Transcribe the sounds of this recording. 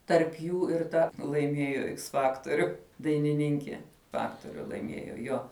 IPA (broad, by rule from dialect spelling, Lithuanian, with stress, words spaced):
tɐrp ˈjuː ɪr ˈtɐ lˠɐɪˈmʲiɛjoː ɪks ˈfɑːktoːrʲʊ dɐɪnʲɪˈnʲɪŋʲkʲiɛ ˈfɑːktoːrʲʊ lˠɐɪˈmʲiɛjoː ˈjoː